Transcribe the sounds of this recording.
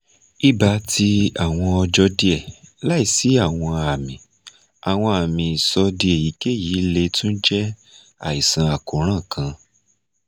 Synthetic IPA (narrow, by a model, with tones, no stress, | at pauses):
i˦ba˧ti˧a˨w̃ɔ̃˧ɔ˧d͡ʒɔ˧˦di˦ɛ˦˨la˦i˦˨si˨˦a˦˨w̃ɔ̃˧a˨mĩ˨ | a˨w̃ɔ̃˧a˨mĩ˨i˨sɔ˧di˧e˨ji˨˦ke˦˨ji˨˦le˧tũ˦n̩˦d͡ʒɛ˦ | a̰˨i˨sã˧˦a˨kõ˨ɾ̃ã˦˨kʰã˧